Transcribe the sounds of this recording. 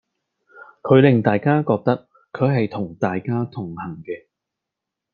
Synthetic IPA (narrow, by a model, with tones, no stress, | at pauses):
kʰɵ˨˧ɥlɪ˨ŋt̪aː˨jkaː˥kɔː˧k̚t̪ɐ˥k̚ | kʰɵ˨˧ɥɦɐ˨jt̪ʰʊ˨˩ŋt̪aː˨jkaː˥t̪ʰʊ˨˩ŋhɐ˨˩ŋkɛː˧